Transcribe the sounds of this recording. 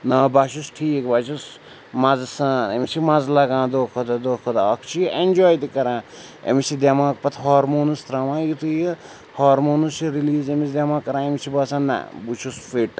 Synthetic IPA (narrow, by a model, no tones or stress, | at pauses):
nɐːbaʃusʈʰiːkbaːt͡ʃus | mɐzsɐnemisimɐzlɐɡãːd̪oːkʰod̪ɐd̪oːkʰod̪aɐkt͡ʃʰiend͡ʒoːjd̪ikɐɾãː | ḛmisid̪ʲemãːkpɐt̪ʰɦaːɾmoːnust̪ɾɐmãːjit̪uji | haːɾmoːnust͡ʃiɾiliːzemisd̪ʲemãːkɐɾãːemit͡ʃʰibɐsãnːa̰but͡ʃʰusfiʈ